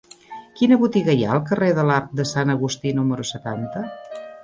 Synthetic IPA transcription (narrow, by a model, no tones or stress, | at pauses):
kinəβut̪iɣəja̰əlˠk̬əreðəlat̪̚d̪əsanəɣust̪inuməɾusət̪ant̪ə